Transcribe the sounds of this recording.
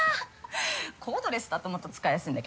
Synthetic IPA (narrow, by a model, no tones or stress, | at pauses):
kʰo̞ːd̪o̞ɾe̞sɨ̥d̪at̪omot̪ːot͡sɨ̥kaijasɨ̃ĩnd̪ak